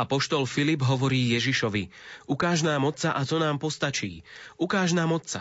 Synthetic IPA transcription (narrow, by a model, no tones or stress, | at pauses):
apɔʃt̪ɔlfilibɦɔʋɔɾiːjɛʒiʃɔʋiukaːʒnaːmɔt͡saʔat̪ɔnaːmpɔst̪at͡ʃḭːukaːʒnaːmɔtt͡sa̰